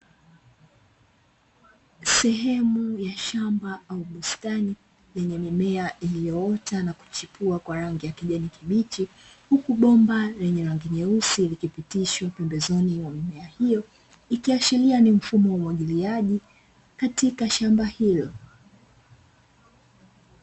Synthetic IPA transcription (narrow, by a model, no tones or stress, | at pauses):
sɛɦɛmujaʃambaauɓustani | lɛɲɛmimɛaʔilijɔɔtanaku̥t͡ʃipuakwaɾaŋɡijakiʄɛnikʰiɓit͡ʃi | hukuɓɔmbalɛɲɛɾaŋɡiɲɛusiːlikipitiʃwapɛmbɛzɔniwamimɛahijɔ | ikiaʃilianim̩fumɔwauwaʄiliaʄi | katikaʃambahilɔ